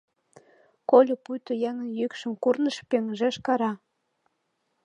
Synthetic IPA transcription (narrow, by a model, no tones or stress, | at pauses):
kolʲopujt̪ojæŋə̆njykʃə̆mkurnə̆ʃpeŋʒĕʃkɑɾɑ